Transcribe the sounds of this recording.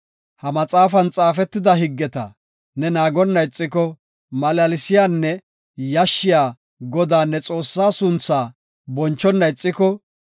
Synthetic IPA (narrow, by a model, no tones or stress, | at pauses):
hɐmɐt͡sʼaːfɐnt͡sʼaːfɛt̪ːɪd̪ɐɦɪɡːɛt̪ɐ̰ | nɛnaːɡɔnːɐjt͡sʼːɪkɔ | mɐlɐlɪsɪjaːnːɛ | jɐʃːɪjaː | ɡɔd̪aːnːɛt͡sʼo̞ːsːaːsʊnt͡sːaː | bɔnt͡ʃːɔnːɐjt͡sʼːɪkɔ